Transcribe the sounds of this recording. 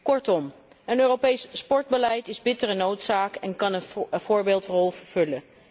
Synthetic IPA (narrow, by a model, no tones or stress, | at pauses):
kɔɹtɔm | ənøːrowpejsspɔɹd̚bəlɛjtɪzbɪtərənowtsaːkɛnkɑnəv̥ʊːɹbeːlˠtrɔlˠvəɹv̥ɵlə